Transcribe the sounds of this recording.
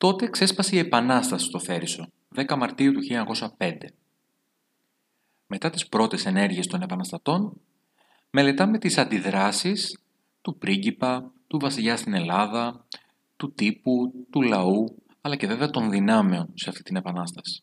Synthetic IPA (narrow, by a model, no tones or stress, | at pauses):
t̪o̞t̪e̞kse̞spɐseie̞pɐnɐst̪ɐsi̥st̪o̞θe̞ɾiso̞ | ðe̞kɐmɐɾt̪iut̪uçiʎoɲɐko̞sɐpe̞nd̪e̞ | me̞t̪ɐt̪ispɾo̞t̪e̞se̞ne̞ɾʝie̞st̪o̞nepɐnɐst̪ɐt̪o̞n | me̞le̞t̪ɐme̞t̪isɐnd̪iðɾɐsis | t̪upɾiɟipɐt̪uvɐsiʎɐst̪ine̞lɐðɐ | t̪ut̪iput̪ulɐu | ɐlɐce̞ve̞veɐt̪o̞nðinɐme̞o̞nse̞ɐft̪i̥t̪ine̞pɐnɐst̪ɐsi̥